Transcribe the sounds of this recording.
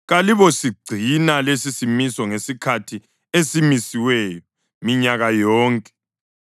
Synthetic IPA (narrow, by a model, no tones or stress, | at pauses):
ɣaliβɔsiɡ͡ǀʱinalesisimisɔŋesikʰatʰi | esimisiwɛjɔ | miɲaɣajɔːŋkʼɛ̥